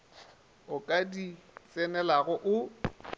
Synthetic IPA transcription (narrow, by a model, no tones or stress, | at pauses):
ʊkʼadit͡sʼɛnɛlaɣɔʔʊ